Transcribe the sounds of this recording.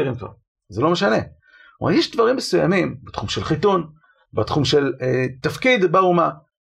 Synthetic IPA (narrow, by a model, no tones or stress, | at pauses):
ʁimkva̰ʁ | zelo̞meʃane̞ | wa̰jeʃd̪vaʁimːesuja̰mimbet̪χumʃelχit̪un | bat̪χumʃelet̪afkid̪bauma